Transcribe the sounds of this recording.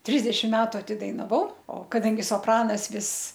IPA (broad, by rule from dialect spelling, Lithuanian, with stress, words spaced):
ˈtʲrʲɪzʲdʲɛʃʲɪm ˈmʲæːtʊ ɐtʲɪdɐɪnɐˈʋɐʊ oː kɐˈdɐŋʲɡʲɪ soːpˈrɑːnɐs ˈʋʲɪs